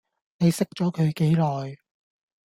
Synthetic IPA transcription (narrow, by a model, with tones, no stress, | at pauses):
ne˨˧jsɪ˥k̚t͡ʃɔː˨˥kʰɵ˨˧ɥke˨˥jlɔː˨˩j